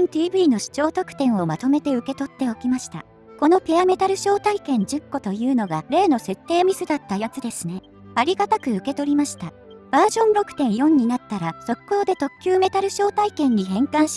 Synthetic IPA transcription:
nt̪iːbɯːno̞ɕi̥t͡ɕo̞ːt̪o̞kɯ̟̥t̪ẽ̞ɰ̃o̞mat̪o̞me̞t̪e̞ɯ̟ke̞t̪o̞t̪ːe̞o̞kʲimaɕi̥t̪a̰ | ko̞no̞pʲiame̞t̪aɾɯ̟ɕo̞ːt̪aikẽ̞ɲ̟d͡ʑɨkːo̞t̪o̞jɯ̟ːno̞ɡaɾe̞ːno̞se̞t̪ːe̞ːmʲisɨd̪at̪ːajat͡sɨd̪e̞sɨne̞ | aɾʲiɡat̪akɯ̟ɯ̟ke̞t̪o̞ɾʲimaɕi̥t̪a | b̥aːʑõ̞nɾo̞kɯ̥t̪ẽ̞ɰ̃jõ̞ɲ̟ːinat̪ːaɾaso̞kːo̞ːd̪e̞t̪o̞kʲːjɨːme̞t̪aɾɯ̟ɕo̞ːt̪aikẽ̞ɲ̟ːiɦẽ̞ŋkãɰ̃ɕi̥

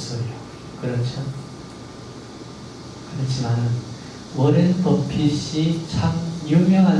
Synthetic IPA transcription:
s͈ʌjo | kɯɾʌt͡ɕʰʌ | kɯɾʌt͡ɕʰimanɯn | wʌɾɯnpʌpʰiɕit͡ɕʰamjumjʌŋɦan

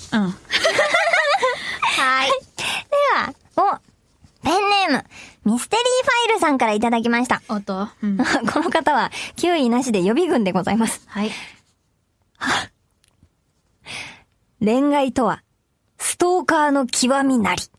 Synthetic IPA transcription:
ɯ̃ | haid̪e̞βa̰ | o | pẽ̞nːe̞mɯ̟mʲisɨ̥t̪e̞ɾʲiːɸaiɾɯ̟sãŋkaɾait̪ad̪ak̬ʲimaɕi̥t̪at̪ | kʰo̞no̞kat̪aβ̞akʲɨːinaɕid̪e̞jo̞bʲiɡɯ̟̃nd̪e̞ɡo̞zaimasɨ̥ | ɾẽ̞ŋɡait̪o̞βa | sɨ̥t̪o̞ːkaːno̞kʲʰiβamʲinaɾʲi̥

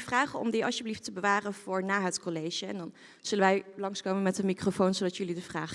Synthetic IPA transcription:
vraːχəɔ̰mdiɑlsjəbliftəbəʋaːrənv̥ʊːɹnaːɦətkɔlejʒəɛ̰ndɑn | z̥ɵlənʋɛjlɑŋskowmənmɛtəmikrofownzowdɑtjɵlidəvraːχ

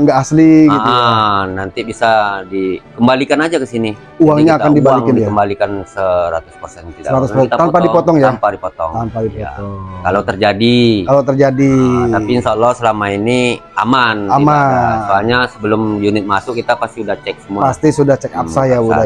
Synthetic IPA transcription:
əŋɡaʔasliɡitʔənant̪ibisadikəmbalikanad͡ʒakəsini | uwaŋɲaːkandibaaliŋkɪndiaəmbalikansəɾat̪ʊ̥spərsɛnt̪iaəɾaʊspəsɛnt̪t̪ampadipɔt̪ɔŋjampadipɔt̪ɔ̰ŋt̪ampadipɔt̪ɔŋkalawt̪ərd͡ʒadikalawt̪ərd͡ʒadiapiinʃaːlːɔhsəlamainia̰manamaalɲasəbəlʊmjunɪt̪̚masʊkːit̪apast̪iudaht͡ʃɛk̚səmuapast̪isudaht͡ʃɛkapsajauda

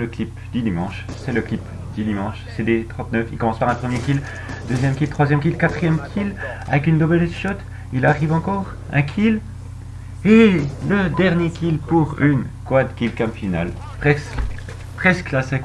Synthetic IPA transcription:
ləklipd̪̥yd̪imɑ̃ʃsɛləklip | d̪yd̪imɑ̃ʃsed̪et̪χɑ̃t̪nœfilkɔmɑ̃spaʁɛ̃pχəmjekʲil | d̪øzjɛmkʲilt̪χwazjɛmk̬ʲilkat̪χijɛmkʲʰila̰vɛkynd̪obeʁisʃɔt̪ | ilaʁivɑ̃kɔʁ | ɛ̃kʲʰil | eləd̪ɛʁnjekʲilpuʁynkwad̪kʲilkãpfina̰l | pχɛs | pχɛsklasɛ̃k

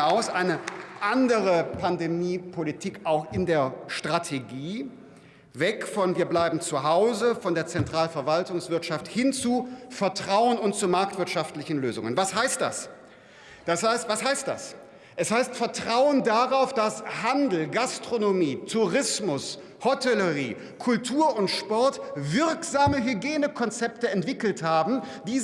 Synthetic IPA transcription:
aʊsʔaɪnəʔandəʁəpʰandemiːpʰolitʰiːkʔaʊxʔɪndeːɐʃtʁ̥atʰeɡiː | vɛkfɔnviːɐblaɪbm̩t͡suɦaʊzəfɔndeːɐt͡sɛntʁ̥aːlfɛɐvaltʊŋsv̥ɪɐtʃafthɪnt͡sufɛɐtʁ̥aʊənʊntt͡sumaɐk̚tv̥ɪɐtʃaftlɪçn̩løːzʊ̰ŋənvashaɪst̚d̥a̰s | d̥ashasvashaɪst̚d̥a̰s | ʔɛshaɪstfɛɐtʁ̥aʊəndaʁaʊfd̥ashandl̩ɡastʁ̥onomiːtʰuʁɪsmʊs | hɔtʰɛləʁiː | kʰʊltʰuːɐʊntʃpɔɐtvɪɐkz̥aːməɦyɡjeːnəkʰɔnt͡sɛp̚təɛntv̥ɪkl̩thaːbm̩ | d̥iː

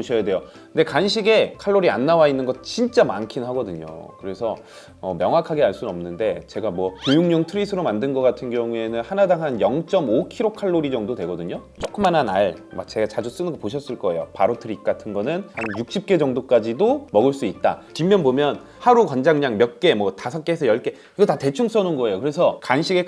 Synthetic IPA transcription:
oɕʰʌjadwe̞jo | knde̞kanɕ̬ʰiɡe̞kʰaɭːoɾia̰nːawainːɯnɡʌt̚t͡ɕint͡ɕ͈amankʰinɦaɡʌdɯɲo̰kɯɾe̞sʰʌ | ʌmjʌŋɦwakʰaɡeaɭs͈unʌmnɯnde̞t͡ɕe̞ɡamwʌkejuŋɲʌŋtʰɯɾisʰɯɾomandɯnɡʌk͈atʰɯnɡjʌŋue̞nɯnhanadaŋɦanjʌŋt͡ɕ͈ʌmokʰiɾokʰaɭːoɾid͡ʑʌŋdodwe̞ɡʌdɯɲo | t͡ɕ͈ʰok͈ɯmːanɦanaɭmat͡ɕe̞ɡat͡ɕad͡ʑus͈ɯnɯɡʌpoɕʰʌs͈ɯɭk͈ʌe̞jopaɾotʰɯɾik̚k͈atʰɯnɡʌnɯnhanjuk̚ɕ͈ip̚k͈e̞d͡ʑʌŋdok͈ad͡ʑidomʌɡɯɭs͈uit̚t͈a̰t͡ɕimːjʌnbomjʌn | haɾukʌnd͡ʑaŋɲaŋmjʌk͈e̞mwʌtasʰʌk͈̚eesʰʌjʌɭk͈e̞ | iɡʌtate̞t͡ɕʰuŋs͈ʌnonɡʌe̞jokɯɾe̞sʰʌkanɕʰiɡe̞

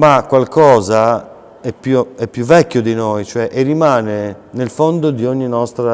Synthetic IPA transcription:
makːwalkɔːza | ɛpːjuɛpːjuvːɛkʲːjod̪inojt͡ʃoɛʔerːimaːnenelfond̪od̪ioɲːinɔst̪ɾa

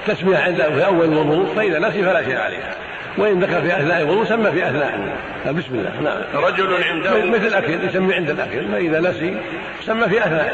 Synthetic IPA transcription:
t̪asmɪjaʕɪnd̪afiʔawːallwʊðˤuːʔfaʔɪðanas̬ifalaʃeːʔʕa̰lḛːh | wɪʔɪnd̪axɑlfiːʔaθnaːʔɪlwʊðˤuːsamːafiʔaθna̰ːʔɪ̰ | bɪsmɪlːa̰ːhna̰ʕa̰mɾˤɑd͡ʒʊlʕɪnd̪mmɪθlɪlʔakaljsamːiʕɪnd̪alʔa̰kalfaʔɪðanasi | samːafiʔaθnaːʔ

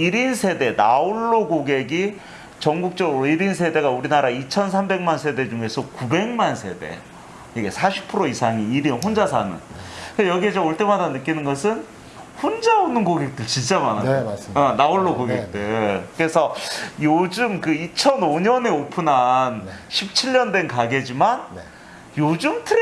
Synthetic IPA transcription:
iɾinsʰe̞de̞naoɭːoɡoɡe̞ɡi | t͡ɕʌŋɡuk̚t͡ɕ͈ʌɡɯɾoiɾins̬ʰe̞de̞ɡauɾinaɾait͡ɕʰʌns̬ʰambe̞ŋmansʰe̞de̞d͡ʑuŋe̞sʰʌkube̞ŋmansʰe̞̰de̞̰ | ɡesʰaɕʰi̥pʰɯɾoisʰaŋiːɾinɦond͡ʑasʰanɯ̰nejʌɡiet͡ɕʌmoɭt͈e̞madanɯk͈inɯnɡʌsʰɯn | hond͡ʑaonɯnkoɡe̞k̚t͈ɯɭt͡ɕint͡ɕ͈amanaʌnaoɭːokoɡek̚t͈ekɯɾe̞sʰʌjod͡ʑɯmkɯit͡ɕʰʌnoɲʌne̞opʰɯnanɕʰip̚t͡ɕʰiʎːʌndwe̞nkaɡed͡ʑiman | jod͡ʑɯmtʰɯɾ

